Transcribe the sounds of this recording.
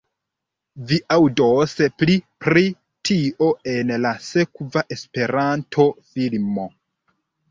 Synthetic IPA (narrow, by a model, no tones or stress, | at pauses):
viʔawdoseplipɾi | tʰiʔo̞e̞nlase̞kvaʔe̞spe̞ɾantʰo̞filmo̞